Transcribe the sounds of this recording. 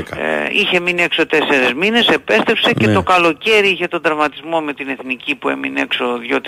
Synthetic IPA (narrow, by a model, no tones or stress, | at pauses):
içe̞miniekso̞t̪e̞se̞ɾezmine̞se̞pe̞st̪epsecet̪o̞kɐlo̞ce̞ɾiiçe̞t̪ond̪ɾɐvmɐt̪izmo̞me̞t̪ine̞θnicipue̞̰mine̞ksoðjot̪